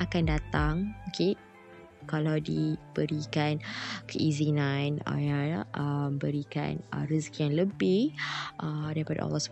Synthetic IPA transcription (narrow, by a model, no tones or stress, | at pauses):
ʔakandat̪aŋokʰe | kalawdib̥əɾikankəʔizinana̰jaʔəmbəɾika̰nə̰riskjaŋləbɪhʔədaɾipada̰ʔɔ̰lɔhsə̥